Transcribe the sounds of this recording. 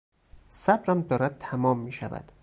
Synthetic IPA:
sæbɾæmd̪ɒːɾæd̪̚t̪ʰæmɒːmːiːʃævæ̰d̪̥

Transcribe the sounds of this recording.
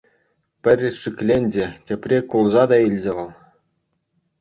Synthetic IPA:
pʲɘ̆rʲʂikʲlʲenʲdʲetʲĕpʲrʲekulˠzɑd̪ɑilʲzʲĕʋʲɤ̆lˠ

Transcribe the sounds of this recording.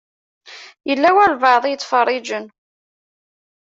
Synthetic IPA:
jəlːæwælvɑʕðˤjət͡sːfərˤːid͡ʒən

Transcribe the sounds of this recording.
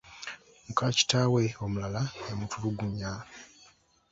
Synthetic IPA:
mukaci̥taːwe̞o̞mulalaemutʰuɾuɡuɲa

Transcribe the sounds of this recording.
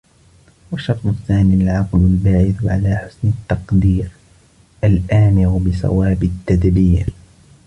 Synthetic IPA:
waʃːɑɾˤsˤʊθːaːniːalʕɑqlalbaːʕɪθʕalaːħʊ̥snɪt̪ːɑqd̪iːɾ | ʔalʔaːmɪɾbɪsa̰waːbɪt̪ːad̪biːɾ

